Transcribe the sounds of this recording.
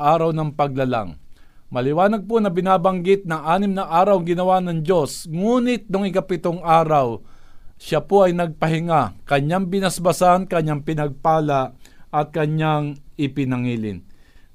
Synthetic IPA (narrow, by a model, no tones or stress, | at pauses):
aːɾɐwnɐŋpɐɡ̚lɐla̰ŋ | mɐlɪwaːnɐɡ̚ponɐbɪnaːbɐŋɡɪt̪̚nɐŋʔaːnɪmnɐʔaːɾɐwŋɡɪnɐwanɐŋd͡ʒo̞sŋuːnɪt̪̚nʊŋɪkapɪt̪oŋʔaːɾaw | ʃapoʔɐjnɐɡ̚pɐɦɪŋakɐɲaŋbɪnɐsbɐsankɐɲːaŋpɪnɐɡ̚paːlaʔɐt̪̚kɐɲaŋɪpɪnɐŋiːlɪ̰n